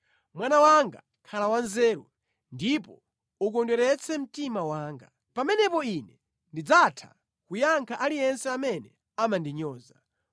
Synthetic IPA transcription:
mwanawaŋɡa̰ | kʰalawanzɛːɾu | ndipɔ̰ | uk̬ɔndwɛɾɛt͡sʰɛm̩timawaːŋɡa | pamɛnɛpɔinɛ | ndid͡zatʰa̰ | kujaŋkʰaʔalijɛnsɛamɛnɛ | amandiɲɔːza

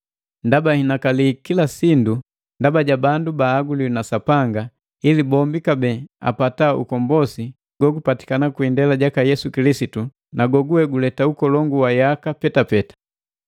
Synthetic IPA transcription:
ndabahinakalikilasindu | ndabaɟabandubaːɡulinasapaŋɡa | ilibɔmbikabɛa̰pataṵkɔmbɔsi | ɡ̥wɔɡupati̥kanakwindɛlaɟakajɛsukilisitu | naɡɔɡuwɛɡulɛtaukɔlɔŋɡuwajakapɛtapɛtḁ

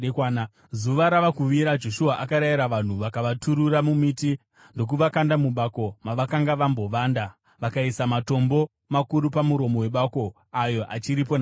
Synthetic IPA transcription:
an | zuʋaɾaʋakuʋiɾad͡ʒo̞ʃuaʔakaɾajiɾaʋan̤uʋakaʋatuɾuramumiti | ndo̞k̬uʋakandamuɓako̞maʋakaŋɡaʋambo̞ʋaːnda | ʋakaisamato̞mbo̞ | makuɾupamuɾo̞mo̞we̞ɓako̞ | ajo̞ʔa̰t͡ʃiɾip̬on

